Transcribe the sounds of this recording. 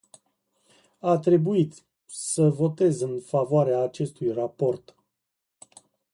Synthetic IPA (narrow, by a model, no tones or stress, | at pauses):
at̪ɾe̞buit̪ | səvo̞t̪e̞zɨnfavoaɾeaːt͡ʃe̞st̪ujrapo̞rt̪